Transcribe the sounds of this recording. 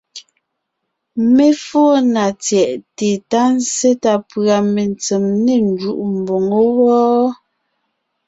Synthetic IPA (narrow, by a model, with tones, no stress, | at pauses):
me˦fɔː˦na˨t͡sjɛ˨ʔte˨ta˦n̩˦se˦ta˨pɰa˨me˨nt͡se˨mne˦˨n˦d͡ʒu˦ʔm̩˨bo˨ŋo˦wɔː˦